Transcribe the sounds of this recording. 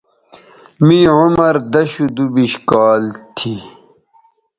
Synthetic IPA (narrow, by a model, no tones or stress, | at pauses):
mĩʕumɐɾd̪ɐɕud̪ubiɕkaːlt̪ʰi